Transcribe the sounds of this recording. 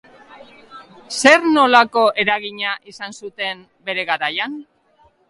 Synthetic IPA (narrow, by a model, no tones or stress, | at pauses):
se̞ɾno̞lako̞ʔe̞ɾaɣiɲaʔisansut̪e̞m | be̞ɾe̞ɣaɾajan